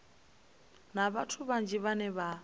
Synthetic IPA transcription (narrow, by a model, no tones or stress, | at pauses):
naβatʰuβand͡ʒiβanɛβa